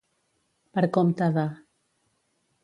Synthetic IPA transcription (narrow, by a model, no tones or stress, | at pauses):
pəɾkɔmt̪aða